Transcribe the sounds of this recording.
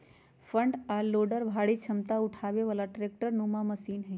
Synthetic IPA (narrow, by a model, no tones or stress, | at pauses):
fəɳɖaloɖəɾbʱaɭit͡ʃʰəmt̪aʊʈʰaʋeʋalaʈɾek̚ʈəɾnũmãməsiːnɦə